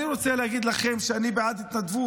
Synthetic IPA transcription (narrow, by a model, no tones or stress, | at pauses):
iɾot͡selehaɡid̪laχe̞mʃeanibeʕad̪it̪nad̪vu